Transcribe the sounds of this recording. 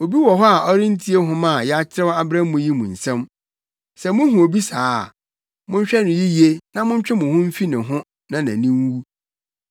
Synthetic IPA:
o˨bi˦wɔ˨ɦɔ˦a˨ʔɔ˦ɾɪ̃˦n˦tʰi˦e˦ɦʊ̃˦mã˦˨jɛ˦a˦t͡ɕʰɪ˦ɾɛ˦wa˦bɾã˦m˦mʊ̃˨ji˦mṵ̃˨n̩˨sɛ̃˦m | sɛ˨mʊ̃˦ɦʊ̃˨o˨bi˦saː˦˨ | mʊ̃˦ɲ̩˦ɕᶣɛ˦nʊ̃˨ji˦je˦nã˦mʊ̃˦ɲ˦t͡ɕᶣɛ˦mʊ̃˨hʊ̃˦m̩˦fi˦nɪ̃˨ɦʊ̃˦ | nã˨nã̰˨nĩ˦n˦wu˦

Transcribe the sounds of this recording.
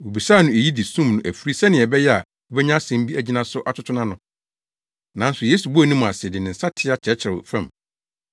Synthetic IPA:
wo˨bi˨saː˦˨nʊ̃˨e˨ji˦di˨sũ˦mnʊ̃˦ʔæ˨fi˦ɾi˦sɛ̃˦nɪ̃˨ɛ˨bɛ˦jɛ˦a˨ | wo˨bɛ˦ɲã˦sɛ̃˨m˦bi˦ʔæ˨d͡ʑi˦nã˦sʊ˦ʔa˨tʰʊ˦tʰʊ˦nã˦nʊ̃˨ | nã˨˦n̩˦sʊ˨jeː˦su˨bu˦æ˨nĩ˦mʊ̃˨a˨sɪ˨ɛ˨dɪ˨nɪ̃˨n̩˨sa˦tʰɪ˦a˦t͡ɕʰɛ˨˦t͡ɕʰɪ˨ɾɛ̰˨fæ̃˦˨m

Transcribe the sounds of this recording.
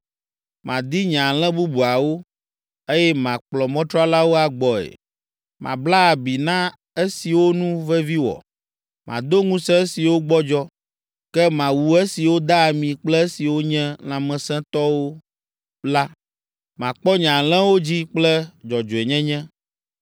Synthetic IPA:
mã˨d̪i˦ɲã˨l̃ɛ̃˦bu˦bu˨a˨wo˦ | e˦jɛ˦mã˨k͡plɔ˨mɔ̃˦t̪ɾɔ˦a˦la˦wo˦a˨ɡ͡bɔ˨ḛ˨ | mã̰˨bla˦a˨bi˨nã˦ | e˦si˨wo˦nũ˦vɛ˦vi˦wɔ̰˨ | mʔã̰˨d̪o˦ŋũ˦sɛ̃˦e˦si˨wo˦ɡ͡bɔ˦d͡ʒɔ˦ | kɛ˦mã˨wu˨e˦si˨wo˦d̪a˦˨mĩ˨k͡plɛ˦e˦si˨wo˦ɲɛ̃˦lã˨mɛ̃˨sɛ̃˦t̪ɔ˦wo˦ | la˦ | mã˨k͡pɔ˦ɲã˨l̃ɛ̃˦wo˦d͡ʑi˦k͡plɛ˦d͡ʒɔ˨d͡ʒo˨e˨ɲɛ̃˦ɲɛ̃˦

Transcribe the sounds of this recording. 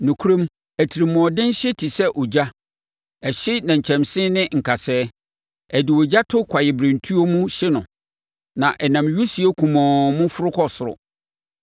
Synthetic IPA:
nũ˨kʰu˦ɾõ˦m | æ˨tʰi˨ɾi˨mʊ̃˨dɪ̃˦n˦ɕɪ˦tʰi˨sɛ˦ʔɔ˨d͡ʑa˦ | ɛ˨ɕɪ˦nã˨ɲ̩˨t͡ɕʰɛ̃˨msɪ̃˦nɪ̃˦ŋ̩˨kʰa˨sɛː˦ | æ˨dɪ˨wo˨d͡ʑa˦tʰʊ˦kʰa˨jɪ˨bɾɪ̃˨n˨tʰu˦o˦mũ˦ɕɪ˦nʊ̃˨ | nã˨ʔɛ˨nã˨mɥu˦si˨e˦kʰũ˨mɔ̃˨mʊ̃˦fʊ˦ɾʊ˦kʰɔ˦sʊ˨ɾʊ̰˨

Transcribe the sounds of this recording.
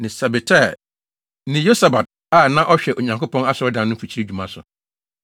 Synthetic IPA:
nɪ̃˨sɛ˨bɪ˨tʰɛ˦˨ | nɪ̃˨jo˦sa˨ba˨t̚ | a˦˨nã˦ʔɔ˦ɕᶣɛ˨ʔo˨ɲã˨ŋko˦pʰɔ̃˦na˦sʊ˨ɾɔ˦dã˨nʊ̃˦fi˨t͡ɕʰi˦e˦˨d͡ʑᶣu˨mã˦sʊ˨

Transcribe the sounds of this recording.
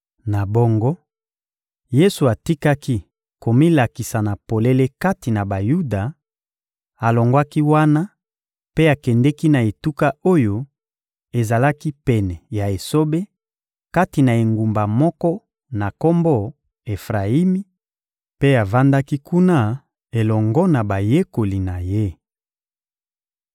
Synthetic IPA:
na˨bo˦ŋɡo˦ | je˦su˨a˨ti˦ka˦ki˦ | ko˨mi˦la˨ki˨sa˨na˨po˨le˦le˦ka˦ti˨na˨ba˨ju˦da˨ | a˨lo˨ŋɡwa˦ki˦wa˦na˦ | pe˦a˨kɛ˨ndɛ˦ki˦na˨e˨tu˦ka˦o˦jo˦ | e˨za˨la˦ki˦pɛ˨nɛ˨ja˨e˨so˦be˦ | ka˦ti˨na˨e˨ŋɡu˨mba˨mɔ˦kɔ˦ | na˨ko˦mbɔ˦ | e˨fʁa˨i˦mi˦ | pe˦a˨va˦nda˦ki˦ku˦na˦ | e˨lɔ˨ŋɡɔ˦na˨ba˨je˦ko˨li˨na˨je˦

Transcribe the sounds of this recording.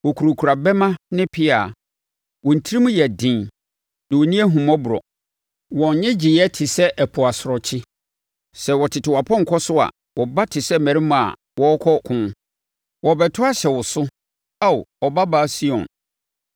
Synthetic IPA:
wɔ˨kʰu˨ɾo˨kʰu˨ɾa˨bɛ˦mã˦nɪ̃˦pʰɪ˦aː˨ | wɔ̃˨n̩˨tʰi˦ɾi˦mũ˦jɛ˨dɪ̃˨n | nã˨wo˨nĩ˦ɛ˦ɦũ˨mɔ̃˦bʊ˨ɾɔ̰˨ | wɔ̃˨˦ɲɛ̃˦d͡ʑi˨jɛ˦tʰɪ˨sɛ˦ʔɛ˨pʰʊ˨a˨sʊ˨ɾɔ˨t͡ɕʰɪ˦ | sɛ˨wɔ˨tʰɪ˨tʰɪ˨wa˨pʰɔ̃˦ŋ̩˨kʰɔ˦sʊ˦a̰˨ | wɔ˨ba˦tʰɪ˨sɛ˦mæ̃˨ɾi˦mʊ̃˨a̰˨ | wɔ˦ɔ˦kʰɔ˦kʰʊ̃˦n˦ | wɔ˨bɛ˨tʰʊ˦a˦ɕɛ˨wʊ˨sʊ˦ | a˦˨ɔ˨ba˦ba˦si˦ɔ̰̃˨n

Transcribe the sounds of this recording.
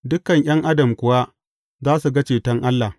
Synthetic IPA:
dʊ˦kɐ˨ɲj̰ɐ˦ŋʔa˦dɐ˨mkʷʊ˨wa˦ | zaː˦su˨ɡɐ˦t͡ʃeː˨tɐ˦ŋʔa˦lːa˨

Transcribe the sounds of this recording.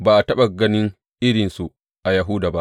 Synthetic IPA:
baː˨ʔa˨tɐ˦ɓa˨ɡɐ˦nɪ˦ŋ | ʔɪ˦ɽɪ˨nsu˨ʔ | ʔa˨ja˨ɦu˦daː˨ba˦ʔ

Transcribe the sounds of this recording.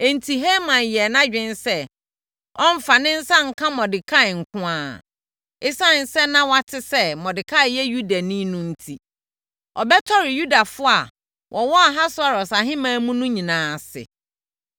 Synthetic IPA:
e˨n̩˨tʰi˨ɦe˦mã˨njɛ˨nã˦d͡ʑᶣɪ̃˦n˦sɛ˦ | ɔ̃˦m̩˨˦fa˨nɪ̃˦n̩˦sã˦ŋ̩˨kʰã˦mɔ̃˨dɪ˨kʰa˦ɪ˨ŋ̩˨kʰʊ̃˦aː˦˨ | ɪ˦sã˦˨n̩˨sɛ˦nã˦wa˦tʰɪ˦sɛ˦mɔ̃˨dɪ˨kʰa˦ɪ˨jɛ˦ju˦da˨nĩ˦nũ˦n̩˦tʰi˦ | ɔ˨bɛ˦tʰɔ˦ɾɪ˨ju˦da˨fʊ˦a˨ | wʔɔ˨wɔ˦a˨ɦa˦sʊ˦a˨ɾɔ˨sa˨ɦɪ̃˦mãː˦mũ˦nũ˦ɲĩ˨nãː˨sɪ̰˨

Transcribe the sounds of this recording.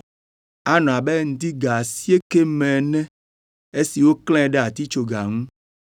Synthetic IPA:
a˦nɔ̃˨a˨be˦ŋ̩˦t̪i˦ɡa˨si˦e˦ke˦mɛ̃˨nɛ̃˦ | e˦si˨wo˦kl̃ɛ̃˦ɖɛ˦a˨t̪i˦t͡ʃo˨ɡa˨ŋũ˦

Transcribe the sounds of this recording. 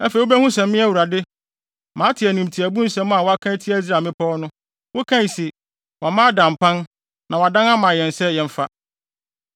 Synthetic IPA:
æ˦fe˨wo˦bæ˦hũ˦sɛ̃˨mːɪ̃˦æ˦wu˨ɾa˨dɪ˦ | mãː˨˦tʰɪ˨æ˨nũ˨m˨tʰi˨æ˨bũ˦sɛ̃˦m˦a˨wɔ˦a˦kʰã˦tʰi˦æ˦i˦s̬ɾaː˨mɪ̃˦pʰɔ˦nʊ̃˦ | wo˦kʰã˦ɲ˨sɪ˨ | wa˨mã˦dã˨m˨pʰã˦n | nã˨wa˨dã˦nã˦mã˨jɛ̃˨nsɛ˦jɛ̃˨m̩˦fa˦

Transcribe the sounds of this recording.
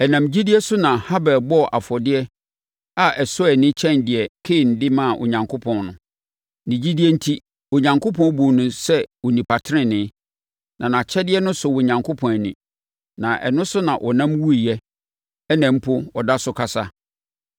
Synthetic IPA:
ɛ˨nã˨md͡ʑi˦dɪ˦ɛ˦sʊ˦nã˨ha˦bɛ˨bɔ˦˨ʔa˨fɔ˨dɪ˦ɛ˦ | a˦ʔɛ˨sɔ˦ɛ˨nɪ̃˦t͡ɕʰɛ̃˦˨ndɪ˨ɛ˨kʰeː˦˨n̩˨dɪ˦mã˦˨ʔo̰˨ɲã˨ŋkʰʊ˦pʰɔ̃˨nnʊ̃˨ | nĩ˨d͡ʑi˦di˦ɛ˦n̩˦tʰi˦ | o˨ɲã˨ŋkʰo˦pʰɔ̃˦bu˨nʊ̃˨sɛ˦wo˨nĩ˨pʰa˨tʰɪ˦ɾɪ̃˦nɪ̃˦ | nʔã˨nã˨t͡ɕʰɛ˦dɪ˦ɛ˦nʊ̃˦sʊ˨wʊ˨ɲã˨ŋkʰʊ˦pʰɔ̃˨nɛ˨nḭ̃˨ | nã˨ʔɛ̰˨nʊ̃˦sʊ˦nã˨ʔɔ˨nã˦mwu˦i˨jɛ˦ | ɛ˦nɛ̃˨m̩˦pʰʊ˦ɔ˨da˦sʊ˨˦kʰa˨sa˦

